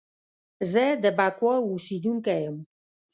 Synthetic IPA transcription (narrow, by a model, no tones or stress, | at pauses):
zɛd̪əbakwɔusid̪uŋkɛm